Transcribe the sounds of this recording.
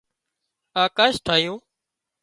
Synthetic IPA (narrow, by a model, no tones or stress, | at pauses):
aːkaːʃʈʰaːɦjõː